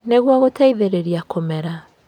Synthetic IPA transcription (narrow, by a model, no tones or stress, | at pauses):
neɣwaɣotʰaiðeɾeɾiakomɛɾa